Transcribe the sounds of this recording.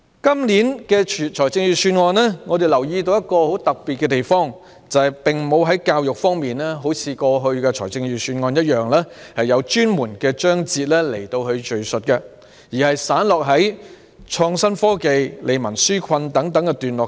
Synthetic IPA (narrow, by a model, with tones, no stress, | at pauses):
kɐ˥mliː˨˥nkɛ˧t͡ʃʰːt͡ʃʰɔː˨˩jt͡sɪ˧ŋjyː˨˧syː˧nŋɔː˧nlɛː˥ŋɔ˨˧d̪e˨˩jlɐ˨˩wjiː˧t̪o˧wjɐ˥t̚kɔː˧ho˨˥wt̪ɐ˨k̚piː˨t̚kɛ˧t̪e˨˩jfɔː˥ŋ | t͡sɐ˨hɐ˨jpɪ˨˩ŋmo˨˧wɦɐ˨˥jkaː˧wjʊ˨k̚fɔː˥ŋmiː˨nɛ˥ɦo˨˥wt͡sʰiː˨˧kɔː˧ɦɵ˧ɥkɛː˧t͡ʃʰɔː˨˩t͡sɪ˧ŋjyː˨syː˧nŋɔː˧njɐ˥t̚jœː˨˩ŋlɛː˥hɐ˨jːɐ˨˧wt͡ʃyː˥nmuː˨˩nkɛː˧t͡ʃœː˥ŋt͡siː˧t̚lɛː˥le˨˩jt̪o˧whɵ˧ɥt͡ʃɵ˨ɥsɵ˨t̚kɐ˧ | jiː˨˩hɐ˨jsaː˨˥nlɔː˨k̚ɦɐ˨˥j | t͡ʃʰɔː˧ŋsɐ˥nfɔː˥ke˨jlʔe˨˧jmɐ˨˩nsyː˥kʰɐ˧nt̪ɐ˨˥ŋt̪ɐ˨˥ŋkɛ˧t̪yː˨nlɔː˨˩